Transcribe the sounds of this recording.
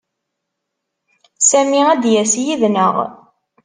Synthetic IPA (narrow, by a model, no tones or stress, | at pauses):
sæmiæd̪jæsjiðnəʁ